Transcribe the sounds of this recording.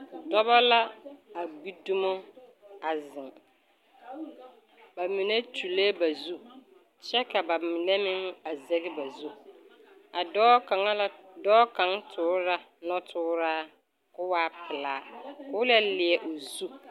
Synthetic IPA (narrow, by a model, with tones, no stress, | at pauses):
dɔ˦βa˦la˦a˨ɡ͡bi˦du˦mo˦a˨zɪ˨ŋ | ba˨mi˨ne˦tu˨le˦ba˨zu˦ | t͡ʃɛ˦ka˨ba˨mɪ˨nɛ˦mɪ˦ŋa˨zɛ˦ɡɪ˦ba˨zu˦ | a˨dɔː˦a˨ŋa˦ldɔː˦ka˨ŋtʰʊː˨˦ɾa˦ | nɔ˦tʰʊː˦ɾaː˦ | kʊ˦waː˦pʰɪ˨laː˦kʊ˦lɛ˦lɪ˨ɛ˨ʔo˨zu˦